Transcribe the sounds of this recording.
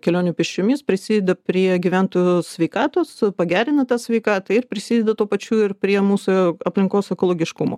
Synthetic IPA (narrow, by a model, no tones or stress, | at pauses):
kʲɛlʲoːnʲupʲɪʃʲt͡ʃʲʊmʲɪspʲɾʲɪsʲiːd̪ʲɛd̪ɐpʲɾʲiɛɡʲiʋʲænt̪oːjusʲʋʲɛɪkɑːt̪oːspɐɡʲæːɾʲɪnɐt̪ɑːsʲʋʲɛɪkɑːt̪ɐɪrpʲɾʲɪsʲiːd̪ʲɛd̪ɐt̪uːpɐt͡ʃʲuːɪrpʲɾʲiɛmuːsʊɐpʲlʲɪŋkoːsɛkoːlˠoːɡʲɪʃkumo̰ː